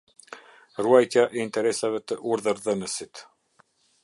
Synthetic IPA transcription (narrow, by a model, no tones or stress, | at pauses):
ruajt̪jaʔɛint̪ɛɾɛsavɛt̪əʔuɾðəɾðənəsit̪